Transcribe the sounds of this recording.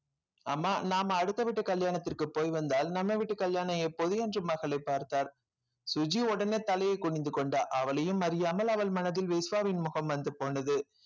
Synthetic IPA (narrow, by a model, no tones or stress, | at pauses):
aːmːaːnaːmɐɽɯt̪ːɐʋɪʈːɯkɐljaːɳɐt̪ːɪrkɯpːoːjʋɐnd̪aːlnɐmːɐʋɪʈːɯkɐljaːnɐɛpːɔðɯjɛndrɯmɐɣɐlɐɪpːaːɾt̪aːɾ | sʊd͡ʒiɔɽɐneːt̪ːɐlɐjɐɪkːʊɳɪnd̪ɯkɔɳɖaːʔɐʋɐlɐjɯmɐɾɪjaːmɐlɐʋɐlmɐnɐðɪlʋeːsʋaːʋɪnmʊɣɐmʋɐnd̪ɯpːoːnɐðɯ